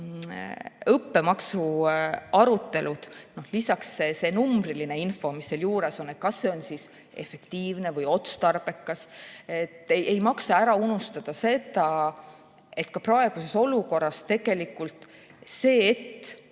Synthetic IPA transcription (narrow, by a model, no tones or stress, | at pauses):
ɤpːe̞mɑksu | ɑɾut̪ːe̞lud̪̥no̞hlisɑksese̞numbriline̞info̞misːeːljuːɾe̞so̞nːe̞t̪̚kɑsːe̞o̞nsis | e̞̰fe̞kt̪iːvne̞vɤjo̞t̪st̪ɑrb̥e̞kːɑset̪ːˑejʔejmɑksɑæɾɑunust̪ɑd̪̥ɑse̞d̪ɑ | e̞t̪kɑprɑe̞ɡ̥use̞so̞luko̞rːɑst̪e̞ɡ̥e̞likːˑult̪ | se̞ːet̪ː